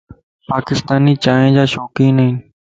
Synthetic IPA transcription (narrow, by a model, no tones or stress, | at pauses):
paːkɪst̪aːniːt͡ʃaːɦẽːd͡ʒaːʃoːkĩːnəɦɪn